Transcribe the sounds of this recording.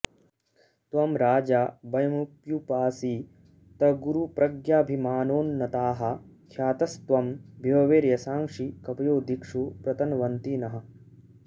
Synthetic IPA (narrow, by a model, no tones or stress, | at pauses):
t̪ʋɐmɾaːd͡ʒaːbɐjɐmupjupaːsiː | t̪ɐɡuɾupɾɐɡjaːbʱimaːnoːnːɐt̪aːɦɐ̆kʰjaːt̪ɐst̪ʋɐmbʱjɐʋɐʋeːɾjɐsaːŋʂikɐpɐjoːd̪ikʂupɾɐt̪ɐnʋɐnt̪inɐɦɐ̆